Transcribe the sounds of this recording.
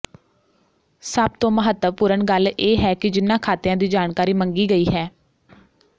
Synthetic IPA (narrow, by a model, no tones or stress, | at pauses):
səb̚t̪õːməɦət̪ːəʋpuːɾəɳɡəlʔeːɦɛːkɪd͡ʒɪnːãːkʰaːt̪ejãːd̪iːd͡ʒaːɳkaːɾiːməŋɡiːɡəiːɦɛː